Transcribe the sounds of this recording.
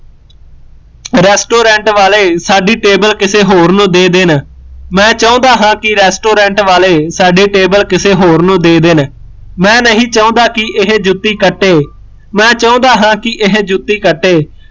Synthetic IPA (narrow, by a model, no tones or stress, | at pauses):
ɾɛːsʈoːɾɛ̃ːɳʈʋaːleːsaːɖiːʈeːbəlkɪseːɦoːɾnũːd̪eːd̪eːnmɛ̃ːt͡ʃaõːd̪aːɦãːkɪɾɛːsʈoːɾɛ̃ːɳʈʋaːleːsaːɖeːʈeːbəlkɪseːɦoːɾnũːd̪eːd̪eːn | mɛ̃ːnəɦĩːt͡ʃaõːnd̪aːkɪʔɪɦd͡ʒʊt̪ːiːkəʈːeː | mɛ̃ːt͡ʃaõːnd̪aːɦãːkɪʔɪɦd͡ʒʊt̪ːiːkəʈːeː